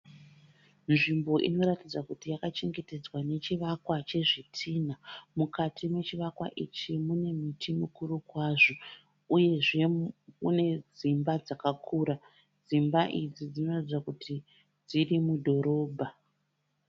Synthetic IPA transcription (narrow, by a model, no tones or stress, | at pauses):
nʐimbo̞ʔḭno̞ɾatid͡zakutijakat͡ʃiŋɡe̞te̞d͡zwane̞t͡ʃiʋakwat͡ʃe̞ʐitʰiːnamukatʰimwe̞t͡ʃiʋakwa̰ʔit͡ʃimune̞mitʰimukurukwaʐo̞ | uje̞ʐe̞mṵne̞d͡zimbad͡zakakʰuɾa | d͡zimbaʔid͡zid͡zino̞ratid͡zakutʰi | d͡zirimudʱo̞ɾo̞ːbʱa